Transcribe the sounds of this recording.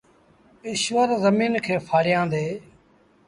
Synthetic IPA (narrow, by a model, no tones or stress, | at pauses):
ɪʃʋəɾzəmiːnkʰeːpʰaːɾjãːd̪eː